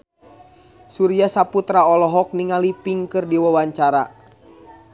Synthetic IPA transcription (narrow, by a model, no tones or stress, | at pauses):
suɾiasaput̪ɾaɔlɔɦɔk̚niŋalipiŋkɨrdiwawaɲt͡ʃaɾa̰